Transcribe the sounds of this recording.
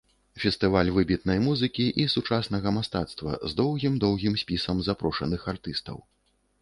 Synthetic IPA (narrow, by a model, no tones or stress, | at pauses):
fʲɛst̪ɨvalʲvɨbʲit̪nɐjmuzɨkʲiʔisut͡ʂasnɐɣɐmast̪at̪st̪vɐ̰zd̪ɔwɣʲimd̪ɔwɣʲimsʲpʲisɐmzapɾɔʂɐ̰nɨxart̪ɨst̪ɐ̰w